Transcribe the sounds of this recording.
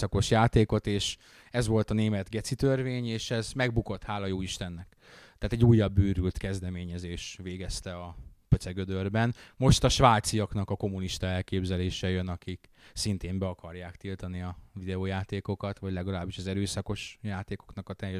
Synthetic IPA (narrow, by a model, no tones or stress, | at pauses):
sɒko̞ʃjaːt̪eːko̞t̪eːʃ | ɛzʋo̞lt̪ɒneːmɛd̪ɡɛt̪sit̪ørveːɲeːʃɛzmɛɡbuko̞t̪haːlɒjoːiʃt̪ɛnːɛk | t̪ːaːt̪ɛɟːuːjːɒbːyːɾylt̪kɛzd̪ɛmeːɲɛzeːʃveːɡɛst̪ɛɒpøt̪sɛɡød̪ørbɛnmo̞ʃt̪ɒʃʋaːt̪sijɒknɒkɒko̞muniʃt̪ɒɛlkeːbzɛleːʃɛjønɒkiksint̪eːmbɛɒkɒrjaːkt̪ilt̪ɒniɒvid̪ɛoːjaːt̪eːko̞kɒt̪ʋɒɟlɛɡɒlaːbiʃɒzɛɾøːsɒko̞ʃjaːt̪eːko̞̥knɒkɒt̪ɛjːɛ